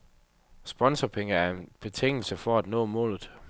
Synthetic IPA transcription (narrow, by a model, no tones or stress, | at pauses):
sb̥ɒ̽nsɐpʰeŋəæɐe̝nb̥e̝t͡sʰe̝ŋ̰l̩səfɒæd̥nɔ̰ːmɔ̰̽ːlð̞̩ˠ